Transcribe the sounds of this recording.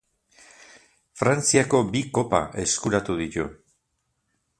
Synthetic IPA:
fɾant͡siako̞biko̞pa̰ʔe̞skuɾat̪uðit̪ṵ

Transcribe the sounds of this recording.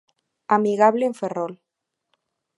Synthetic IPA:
amiɣaβleeɱferol

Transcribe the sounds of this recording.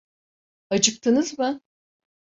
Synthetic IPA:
at͡ʃʰɯk̚t̪ʰɯnɯzmɯ

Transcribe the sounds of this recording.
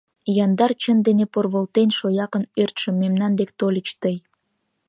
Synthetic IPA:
jɑnd̪ɑrt͡ɕənd̪eneporβolt̪enʃojɑkənørt̪ʃə̆mːemnɑnd̪ekt̪olʲət͡ɕt̪əj

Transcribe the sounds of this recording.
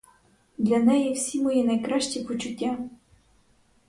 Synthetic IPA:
d̪lʲɐnɛjɛwsʲimɔjinɐjkɾaʃt͡ʃipɔt͡ʃʊtʲːa

